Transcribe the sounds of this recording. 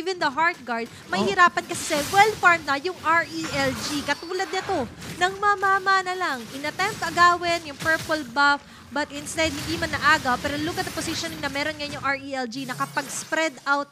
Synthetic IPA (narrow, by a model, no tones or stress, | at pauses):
ivɛnd̪ɐɦaɹt̪̚ɡaɹd̪̚ | mɐhɪɾaːpɐnkɐsɛsɛwɛlfɐɹnɐjʊŋʔaɹʔiʔɛld͡ʒikɐt̪uːlɐd̪̚nɐt̪o̞nɐŋmɐɐmamanɐlɐŋʔɪnɐt̪ɛmp̚t̪ɐɡaːwɪnjʊŋpɛɹpʊlbaf | bɐt̪ɪnst̪ɛd̪̚hɪnd̪imɐnɐʔaːɡɐwpɛːɾoluɡɐt̪ɐposiʃonɪŋnɐmɛːɾonɡɐjonjʊŋʔaɹiɛld͡ʒinɐkɐpɐɡspɾɛd̪awt̪̚